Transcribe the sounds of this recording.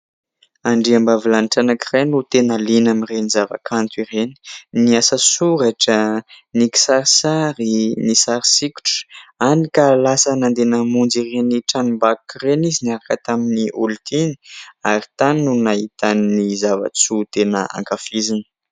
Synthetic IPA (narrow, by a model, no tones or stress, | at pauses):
aɳɖ͡ʐiambavilaniʈ͡ʂanakirenut̪enalinamirenizava̰kʰant̪uiɾeni̥niasəsuɾaʈ͡ʂəniki̥saɾisaɾinisaɾisikʲu̥ʈ͡ʂə̥anikalasənand̪enəmund͡zireniʈ͡ʂanumbakkireniziniaɾakət̪aminiʔult̪ini̥aɾi̥t̪anːunaɦit̪annizava̰t͡sut̪enəa̰ŋkafizinə̥